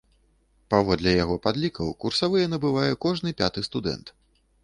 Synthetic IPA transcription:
pavɔd̪lʲɛjaɣɔpad̪lʲikɐwkursavɨjɛnɐbɨvajɛkɔʐnɨpʲat̪ɨst̪ud̪ɛ̰nt̪

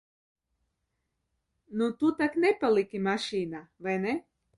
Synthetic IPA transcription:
nut̪ut̪aknɛpalˠikimaʃiːnaʋɛnɛ

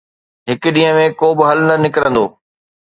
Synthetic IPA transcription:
ɦɪk̆ɗĩːɦə̃mẽkoːbɪɦɐlnɐnɪkɪɾə̃nd̪oː

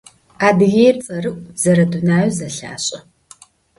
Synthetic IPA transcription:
aːdɨɣeːjrt͡sʼɐrɨʔʷʼzɐɾɐdunaːjzɐɬa̰ːɕʼɐ

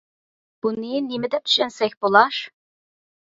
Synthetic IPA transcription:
b̥uninlimɛd̪ɛp̚t̪ʰy̥ʃɛnsɛkʲbolˠɑʃ

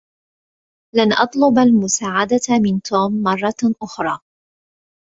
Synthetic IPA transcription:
lanʔɑt̪ˤlʊbalmʊsaːʕad̪amɪnt̪ʰoːmːɑrˤːɑʔʊxɾˤɑː

